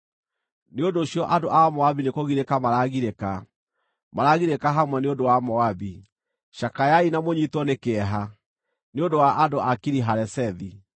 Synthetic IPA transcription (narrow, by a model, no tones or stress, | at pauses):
neondoːɕiɔʔadoʔamɔabinekoɣiɾekamaɾaɣiɾeka | maɾaɣiɾekaɦamwɛneondowamɔabi | ɕakajainamoɲitwɔnekeɛɦa | neondowaʔadoʔakiɾiɦaɾɛsɛði